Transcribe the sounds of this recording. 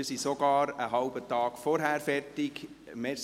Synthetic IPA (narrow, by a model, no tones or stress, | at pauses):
sisoɡɑːɾəɦɑʊbətɑːkfɔɾɦæːɾfɛrtɪk | mɛs